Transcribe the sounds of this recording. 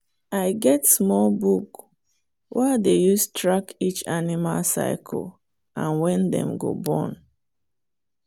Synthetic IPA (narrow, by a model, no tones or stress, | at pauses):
aɪɡɛtsmɔlbuk | wʔadejustʰɹakit͡ʃanimalsa̰ɪkʰɔ̰l | ʔãnwɛ̃ndɛ̰̃mɡo̰bɔ̰̃n